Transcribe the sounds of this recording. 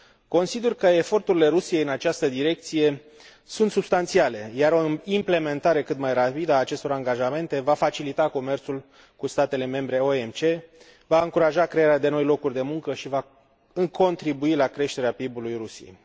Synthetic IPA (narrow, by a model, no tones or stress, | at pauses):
ko̞nsid̪erkəe̞fo̞rt̪uɾile̞ɾusije̞jɨnat͡ʃast̪əd̪iɾe̞k̚t̪sije̞ | sunt̪sub̥st̪ant̪siale̞jaɾo̞imple̞me̞nt̪aɾe̞kɨt̪majrapid̪əaːt͡ʃe̞st̪o̞ɾaŋɡaʒame̞nt̪e̞vafat͡ʃilit̪ako̞me̞rt̪sul | kust̪at̪e̞le̞me̞mbɾe̞o̞e̞mt͡ʃe̞ | vaɨŋkuɾaʒakɾe̞aɾead̪e̞no̞jlo̞kurʲd̪e̞muŋkəʃiva | ɨŋkʰo̞nt̪ɾibuilakɾe̞ʃt̪e̞ɾeapibulujrusijḛj